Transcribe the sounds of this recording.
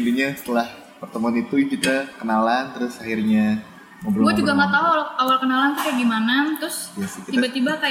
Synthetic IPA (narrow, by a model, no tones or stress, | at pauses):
induɲasə̥t̪əlah | pərt̪əmuanit̪ukit̪akənalant̪əɾʊsahirɲa | məbəɾuɡuad͡ʒuɡamat̪aɦuwalawalkənalant̪ukajaɡimanat̪ɾʊsjaskit̪iabat̪ibakaj